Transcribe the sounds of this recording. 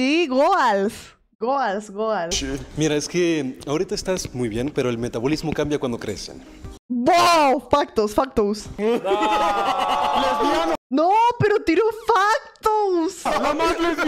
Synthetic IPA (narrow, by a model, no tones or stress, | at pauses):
siɣoals | ɡoalsɣoalmiɾaeskeaoɾit̪aest̪azmujβje̞npe̞ɾo̞elmet̪aβolizmokambjakwand̪okɾḛsḛn | bofakt̪osfak̚t̪os | lezinnopeɾot̪iɾofak̚t̪osnamaslez